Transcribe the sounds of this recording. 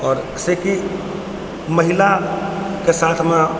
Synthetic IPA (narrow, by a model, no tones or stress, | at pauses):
ɔːɾ | seki | məɦila | kesaːt̪ʰme